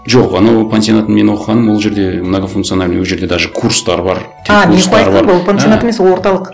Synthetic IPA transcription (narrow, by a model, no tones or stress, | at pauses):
ʒo̞qɑnɑwpʰensijonɑt̪ənme̞nwo̞qəʁɑnəmwo̞lˠʒe̞ɾd̪e̞mənɑʁəfunkt̪sɨonalewoʒe̞ɾd̪e̞d̪ɑʒəkʰuɾst̪ɑɾbɑɾt̪ʰɑmeskoɾɑɾb̪pʰanijonaemeswolˠwo̞ɾt̪ɑlˠəq